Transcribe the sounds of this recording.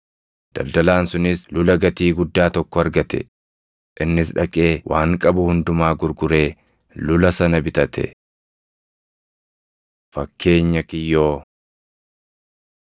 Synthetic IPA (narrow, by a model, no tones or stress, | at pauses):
d̪̥ɐ̰ld̪ɐlaːnsʊnɪslʊlɐɡɐt̪iːɡʊd̪ːaːt̪ɔkːɔɐɾɡɐt̪ɛ̰ | ʔɪnːɪsᶑɐkʼe̞ːwʔaːŋkʼɐbʊhʊnd̪ʊmaːɡʊɾɡʊɾe̞ː | lʊlɐsɐnɐbɪt̪ɐt̪ʰɛ̰ | fɐkːe̞ːɲːɐkɪjːo̞ː